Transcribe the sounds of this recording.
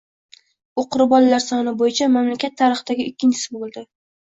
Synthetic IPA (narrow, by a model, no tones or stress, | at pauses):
uqʰʊɾɪbɒlalaɾsɒnɪbojɪt͡ʃʰamamlakʲat̪ʰːaɾɨχɨd̪aɡʲɪɪkʲːɪnt͡ʃʰɪ̥sɪbolˠd̪ɪ